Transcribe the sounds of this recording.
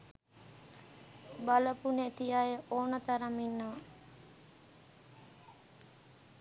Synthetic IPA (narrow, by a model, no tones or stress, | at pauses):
baləpunet̪ijajəʔoːnət̪aɾaminːəʋa